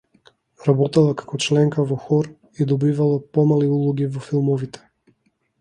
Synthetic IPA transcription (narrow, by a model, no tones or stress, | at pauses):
ɾabɔt̪alˠakḁkɔt͡ʃlɛŋkavɔxɔɾ | id̪ɔbivalˠapɔmaliulˠuɡivɔfilˠmɔvit̪ɛ̥